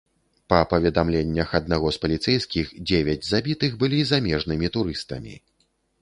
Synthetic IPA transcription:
pɐpɐvʲɛd̪amlʲenʲːɐxɐd̪naɣɔspɐlʲit̪sɛjskʲixd͡zʲevʲɛd͡zʲzabʲit̪ɨɣbɨlʲizamʲɛʐnɨmʲit̪uɾɨst̪ɐ̰mʲḭ

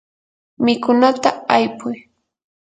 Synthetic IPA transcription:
mɪkʊnat̪aajpʊj

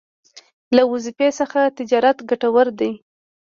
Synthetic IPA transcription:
lawʊzɪpesəxat̪ɪd͡ʒɑɾat̪ɡaʈawaɾd̪aj

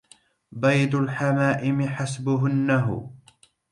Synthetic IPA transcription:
bajd̪ʊlħamaːʔɪmɪħasbʊɦʊnːaɦʊ̰

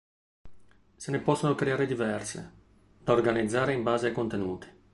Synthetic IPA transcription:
senepɔsːonokɾeaːɾed̪ivɛrsḛ | d̪̥aorɡanid̪zːaːɾeimbaːzeajkont̪enuːt̪i̥

